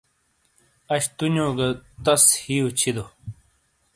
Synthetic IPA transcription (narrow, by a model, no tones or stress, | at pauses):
ɐɕt̪unoːɡɐt̪ɐshijot͡ɕʰid̪o